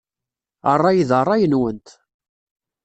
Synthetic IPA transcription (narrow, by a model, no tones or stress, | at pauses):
ərˤːɑjiðərˤːɑjənwənt̪